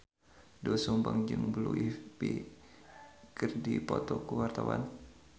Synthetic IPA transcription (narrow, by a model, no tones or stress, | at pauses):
dɔsumbaŋd͡ʒɨŋbəluipi | kɨrdipɔt̪ɔkuwart̪awa̰n